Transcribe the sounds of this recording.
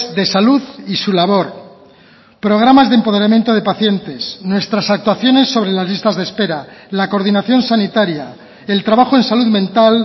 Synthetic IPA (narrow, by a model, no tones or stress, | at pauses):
ðe̞saluðisulaβ̞o̞ɾ | pɾo̞ɣ̞ɾamazðempo̞ð̞e̞ɾamje̞nt̪o̞ð̞e̞paθje̞nt̪e̞snwe̞st̪ɾasak̚t̪waθjo̞ne̞sːo̞β̞ɾe̞lazlist̪azðespe̞ɾalako̞ɾðinaθjo̞nsanit̪aɾja | e̞lt̪ɾaβaxoe̞nsaluðmẽ̞nt̪al